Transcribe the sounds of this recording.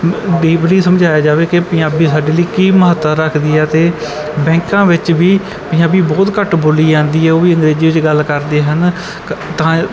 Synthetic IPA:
ɖiːbliːsəmd͡ʒaːjaːd͡ʒaːʋeːkɪpɪ̃aːbiːsaːɖeːliːkiːməɦət̪ːəɾəkʰd̪iːɛːt̪eː | bɛ̃ːŋkãːʋɪt͡ʃʋiː | pɪ̃aːbiːbɔːt̪kəʈboːliːd͡ʒãːnd̪iːɦɛːoːʋiːə̃ŋɡɾeːziːʋɪt͡ʃɡəlkəɾd̪eːɦən | t̪ãː

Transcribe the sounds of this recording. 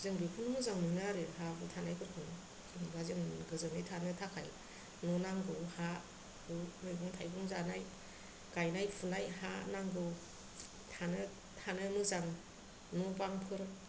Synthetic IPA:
zɯŋbipʰɯnɯmɯzaŋmɯjnaɾɯɦabɯtʰanajkʰɯɾkʰɯnɯ | kʰinbazɯŋɡɯzɯŋejtʰanɯtʰakʰaj | nɔnaŋɡɯwha | bɯmɯjbɯŋtʰajbɯŋzanaj | ɡ̥ajnajpʰunajhanaŋɡɯw | tʰanɯ | hʰanɯmɯzaŋ | nɔbaŋpʰɯɾ

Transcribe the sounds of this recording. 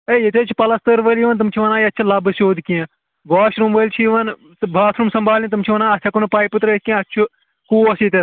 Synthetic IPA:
ejet̪et͡ʃʰi̥pɐlɐst̪ɨɾʋəliʋɐnt̪̬ɨmt͡ʃʰiʋɐnaːjɐtːt͡ʃʰilɐbɨsoːd̪kiẽ | ɡaːʃɾumʋəlt͡ʃʰiʋɐn | bʱaːt̪ʰɾumsɐmbʱaːlʲĩt̪umt͡ʃʰiʋɐnaːɐt͡ʃʲʰɐkunupaːjpɨt̪ɾɐskʲĩãɐt͡ʃʰu | kuːɐsit̪e

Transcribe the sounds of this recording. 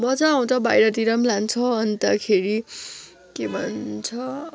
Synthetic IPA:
bʌt͡sʌaw̃t͡sʌbajɾʌt̪iɾʌmlant͡sʰʌːnt̪akʰeɾi | kebʱʌnt͡sʰʌ

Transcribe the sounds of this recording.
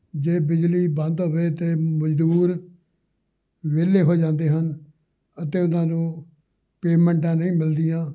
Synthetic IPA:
d͡ʒeːbɪd͡ʒliːbə̃nd̪ɦoːʋeːt̪eːməd͡ʒd̪uːɾ | ʋeːleːɦoːd͡ʒãːnd̪eːɦən | ət̪eːʊnãːnũː | peːmɛ̃ːɳʈ̬ãːnəĩːmɪld̪ɪjãː

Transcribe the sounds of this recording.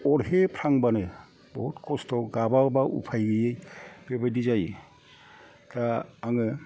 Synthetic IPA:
ɔɾepʰɾaŋbanɯ | bɔɦutkɔstʰɔɡababaʔṵpʰajɡɯjɯjb̥ebajdizaj | taaŋɯ

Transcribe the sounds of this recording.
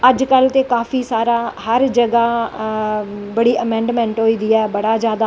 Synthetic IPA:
əd͡ʒkəlt̪eːkaːfʰiːsaːɾaːhəɾd͡ʒəɡaː | bəɽiːʔəmɛ̃ːɳɖmɛ̃ːɳʈɦoːiːd̪ɪjaːɛbəɽaːd͡ʒjaːd̪aː

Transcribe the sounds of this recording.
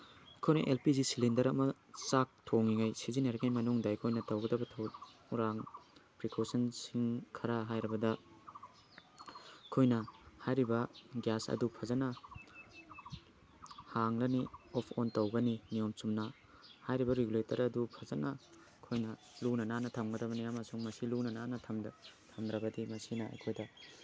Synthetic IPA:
ɐkʰojnɐ̰ʔelpizisilindɐɾɐmɐ | sak̚tʰoŋːiŋajsizinaɾɐŋajmɐnuŋdɐɐjkʰojnɐtɐwɡɐdɐbɐtʰɐwɾaŋpɾikʰosɐnsiŋkʰɐɾaɦajɾɐbɐdɐ | kʰojnɐhajɾibɐɡjasɐ̰dupʰɐzɐnɐ | haŋlɐniopʰontɐwɡɐnimijomsumnɐ | hajɾibɐɾeɡuletɐɾɐdupʰɐzɐnɐ | kʰojnɐ | lunɐnanɐtʰɐmɡɐdɐbɐniɐmɐsuŋmɐsilunɐnanɐtʰɐmdtʰɐmdɾɐbɐdimɐsinɐɐ̰jkʰojdɐ

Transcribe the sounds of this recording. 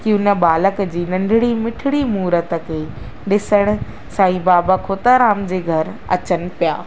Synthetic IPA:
kiʊnə̆ɓaːləkd͡ʑiːnɐ̃ɳɖʱɪɽimɪʈʰɪɽimuːɾət̪ə̆kʰeː | ɗɪsəɽ̃ʊ̆ | saːibaːbakʰoːt̪aɾaːmd͡ʑeːɡʱɐɾɐ̰t͡ɕənɪ̆pija̰ː

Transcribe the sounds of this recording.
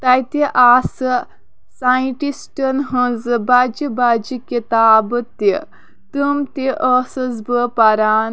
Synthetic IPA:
t̪ajt̪eʔasə | sajʈisʈənɦə̃d͡zɨbad͡ʒibad͡ʒiket̪aːbət̪ːe | t̪əmt̪eʔəsəzbəpaɾaːn

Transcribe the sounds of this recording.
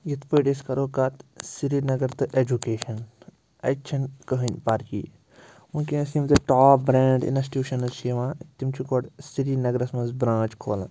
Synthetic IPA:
jit̪pəːʈiskɐɾoːkɐt̪siɾinɐɡɐɾt̪ɨʔed͡ʒukeːʃɐn | ɐ̰t͡ʃʰɐnkəɦɐnʲpaɾkḭː | munkiɐsimt̪ɨʈaːp̚bɾeːɳɖḭnɐsi̥ʈjuːʃɐnɐzʃiʋãːt̪imt͡ʃʰukoɽsiɾinɐɡɾɐsmɐnzbɾãːt͡ʃkʰo̰ːla̰

